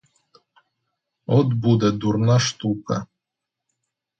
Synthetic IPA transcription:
ɔt̪bud̪ɛd̪uɾnaʂt̪ukɐ̰

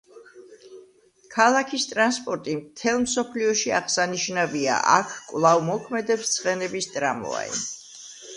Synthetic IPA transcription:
kʰalˠakʰist̪ʼɾanspʼɔɾt̪ʼimt̪ʰɛlˠmsɔpʰliɔʃiaʁsaniʃnavia̰ʔakʰkʼvlˠavmɔkʰmɛd̪ɛpst̪sʰχʼɛnɛbist̪ʼɾamɔ̰a̰ḭ

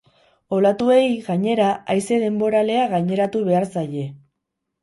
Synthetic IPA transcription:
o̞lat̪ue̞jɣaɲe̞ɾaajse̞ðe̞mbo̞ɾale̞aɣaɲe̞ɾat̪uβ̞e̞aɾsaʎe̞

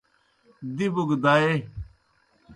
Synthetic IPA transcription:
d̪ibuɡd̪aːe

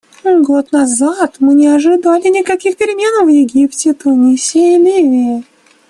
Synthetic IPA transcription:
ɡot̪nɐzat̪mɨnʲɪɐʐɨd̪alʲɪnʲɪkɐkʲixpʲɪɾʲɪmʲe̞nvjɪɡʲiptʲɪt̪ʊnʲisʲejɪlʲivʲɪjɪ

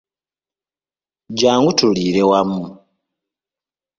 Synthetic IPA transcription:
ɟaːŋɡutuliːɾewamu

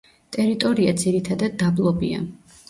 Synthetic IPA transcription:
t̪ʼɛɾit̪ʼɔɾiad̪ziɾit̪ʰad̪ad̪ːablˠɔbia̰

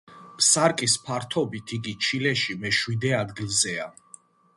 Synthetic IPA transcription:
pʰsaɾkʼispʰaɾt̪ʰɔbit̪ʰiɡit͡ʃʰilɛʃimɛʃwid̪ɛad̪ɡilˠzɛa

